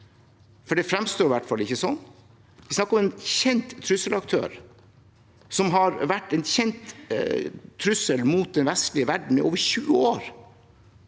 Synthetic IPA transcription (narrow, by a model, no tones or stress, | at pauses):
fɔɖɛfɾɛmst̪oːɾɪʋæʈfɑlːɪçːəsɔnː | ʋɪsnɑkːɾɔmençɛnt̪ʰːɾʉsəlɑk̚t̪ʰø̰ːɾ | sɔmɦɑɾʋæʈːɛnçɛnt̪ | ɾʉsəlmuːt̪̚d̪ɛnʋɛst̪lɪəʋæɖɳ̩ɪ̰ʔoːʋəçʉːəoːɾ